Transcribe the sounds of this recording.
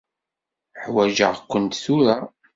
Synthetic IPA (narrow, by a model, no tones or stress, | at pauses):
ħwæʒə̰ʁkʷːənt̪θuɾa